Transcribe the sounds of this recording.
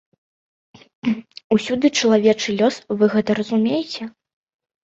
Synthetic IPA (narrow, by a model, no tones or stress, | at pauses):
usʲud̪ɨt͡ʂɐlˠavʲɛt͡ʂɨlʲɔsvɨɣɛt̪ɐɾɐzumʲejɛt͡sʲɛ